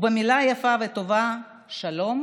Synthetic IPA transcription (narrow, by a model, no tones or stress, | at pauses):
bemilajafavet̪o̞va | ʃalo̞m